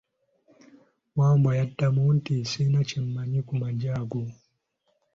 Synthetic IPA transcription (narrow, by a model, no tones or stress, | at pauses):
mambajatːamuntisinat͡ʃimːaɲikumad͡ʒaɡu